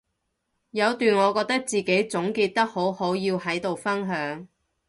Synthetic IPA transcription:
jɐ˨˧wt̪yː˨nŋɔː˨˧kɔː˧k̚t̪ɐ˥k̚t͡siː˨ke˨˥jt͡sʊ˨˥ŋkiː˧t̚t̪ɐ˥k̚ho˨˥who˨˥wjiː˧whɐ˨˥jt̪o˨wfɐ˥nɦœː˨˥ŋ

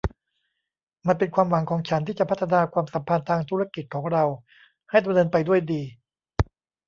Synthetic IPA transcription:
ma˧npe˧nkʰwaː˧mwa˨˩˦ŋkʰɔː˩˦ŋt͡ɕʰa˦nt̪ʰiː˥˩t͡ɕa˨˩pʰa˦˥t̪ʰːa˧naː˧kʰwaː˧msa˩˦mpʰa˧nt̪ʰaː˧ŋt̪ʰuː˦˥a˧ki˨˩t̪̚kʰɔː˩˦ŋɾa˧w | ha˥˩jda˧mnɤː˧npa˧jdu˥˩əjdiː˧

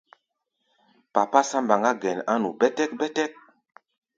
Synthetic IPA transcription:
pa˨pa˦sã˦mba˨ŋɡa˦ɡɛ˨na˦nṵ˨bɛ˦tɛ˦k̚bɛ˦tɛ˦k̚

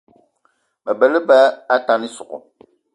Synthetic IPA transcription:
bɛ˨bɛ˨lɪ˦bɛ˦a˦ta˨nɪ˦sʊ˨ʔʊ̰˨

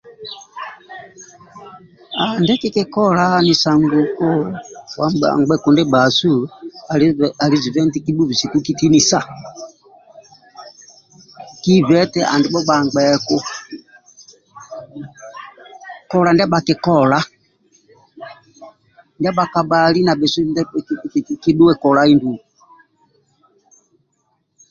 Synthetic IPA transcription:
a˨ndɛ˦ki˦kɛ˦kɔ˦la˦ni˨sa˨ŋɡu˨kɔ˦wa˨a̰˨ŋɡ͡bɛ˨ku˨ndɛ˦ba˨su˦˨ | a˨ɾi˨zi˨vɛ˦nti˦ki˦bu˦vi˨si˨ku˦ki˦ti˦ni˨sa˦˨ | ki˦vɛ˦tɛ˦ʔa̰˨ndi˨ɓɔ˦ba˨ŋɡ͡bɛ˨kɔ˦ | kɔ˨la˨nda˦ba˨kɛ˨kɔ˦la˦ | ndi˦a˦ba˨ka˨ba˨li˦na˨bɛ˨su˦˨ndɛ˦˨˦ | ki˦ɗu˦wɛ˦˨kɔ˨la˨˦i˦ndu˨u˨

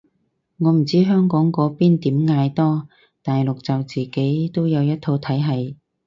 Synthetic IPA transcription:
ŋɔː˨˧m̩˨˩t͡siː˥ɦœː˥ŋkɔː˨˥ŋkɔː˨˥piː˥nt̪iː˨˥mŋaː˧jt̪ɔː˥ | t̪aː˨jlʊ˨k̚t͡sɐ˨wt͡siː˨ke˨˥jt̪o˥wjɐ˨˧wjɐ˥t̚t̪ʰo˧wt̪ʰɐ˨˥jɦɐ˨j

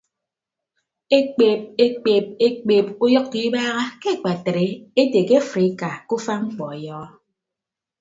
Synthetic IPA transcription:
e˦k͡pe˨p̚e˦k͡pe˨p̚e˦k͡pe˨p̚u˦jɔ˦kːi˨˦baː˦ɣa˦ke˦˨k͡pa˨tɾe˨e˦te˨ke˦fɾi˨˦ka˨ku˦fa˦ŋ͡m̩˦k͡pɔ˨e˨jɔː˦ɔ˦

